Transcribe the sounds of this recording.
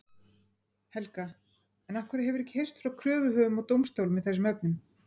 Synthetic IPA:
hɛlka | ɛnahkvɛɾɪɦɛvʏɾɛhcːɪ̥hejr̥st̪fɾawkʰɾœːvʏɦœːðʏmawt̪owmst̪owlmvɛðθɛs̬ːʏmœpnʏm

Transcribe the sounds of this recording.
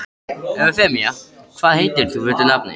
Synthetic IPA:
ɛfɛmɪjakʰvaːðhejt̪ɪɾ̥θufɪt̪ɪnapnɪ̰

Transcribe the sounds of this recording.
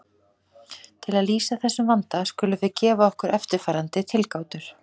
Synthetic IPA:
t̪ʰɪlaðliːsaθɛsːʏmvant̪askʏːlʏvɪcɛːvaɔhkʏɾʔɛft̪ɪɾ̥fajɾant̪ɪt̪ʰɪlkaːwt̪ʏɾ̥

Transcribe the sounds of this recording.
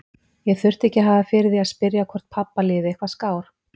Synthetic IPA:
jɛɣθʏr̥t̪ɛhcɪɦaːvafɪɾɪðiaðspɪɾjakʰɔr̥t̪̚pʰapːalɪːðɪɛhkvaskaːwɾ̥

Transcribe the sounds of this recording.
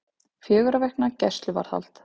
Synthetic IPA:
fjœːɣʏɾavɛhknacɛst̪lʏva̰ɾ̥θa̰l̥t̪

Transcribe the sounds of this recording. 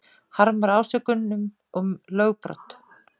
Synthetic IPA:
haɾmaɾaːwsɛkʏnnːʏm | ɔmlœːɣpɾɔ̰t̪

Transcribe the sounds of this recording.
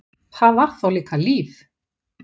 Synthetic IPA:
θaðḁθawliːkaliːf

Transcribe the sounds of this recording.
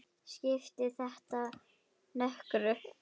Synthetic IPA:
scɪft̪ɪθɛht̪a | nœhkɾʏ

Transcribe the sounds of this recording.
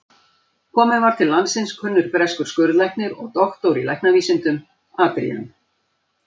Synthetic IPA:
kʰɔːmɪðvaɾ̥t̪ʰɪlːansɪnskʰʏnːʏɾ̥pɾɛskʏɾ̥skœɾðlɛjhknɪɾɔ̰ɣt̪ɔxt̪owɾilɛjhknaviːsɪnt̪ʏm | aːt̪ɾḭjʏm

